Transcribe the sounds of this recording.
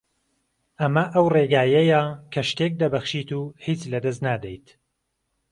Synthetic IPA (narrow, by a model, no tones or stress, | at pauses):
ʔɐmɐʔɐwreːɡaːjɐjɐkʰɐʃt̪ek̚d̪ɐbɐxʃit̪uhiːt͡ʃlɐd̪ɐs̬t̪naːd̪ejt̪